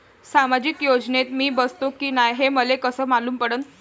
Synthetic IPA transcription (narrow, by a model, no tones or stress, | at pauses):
samad͡ʑikjod͡ʑnet̪miːbəst̪okiːnajɦeməlekəsəːmaluːmpəɽənt̪